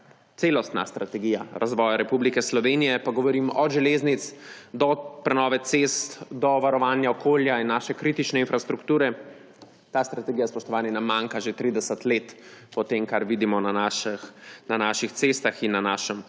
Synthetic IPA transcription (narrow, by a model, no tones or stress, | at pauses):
t̪selɔst̪na̰st̪ɾat̪ɛɡiːjaɾʔazʋɔːjaɾɛpublikɛslɔʋenijɛpaɡɔʋɔɾimʔɔʒɛleznit̪sd̪ɔpɾɛnɔːʋɛt̪sest̪d̪ɔʋaɾɔʋaːnjaɔkʰoːljainːaːʃɛkɾit̪it͡ʃnɛinfɾast̪ɾukt̪uːɾɛ | t̪aːst̪ɾat̪ɛɡijaspɔʃt̪ɔʋaːnjɛnamaŋkaʒet̪ɾid̪ɛsət̪leːt̪pɔt̪emkaɾʋid̪imɔnanaʃnanaʃixt̪sest̪axinːanaːʃəm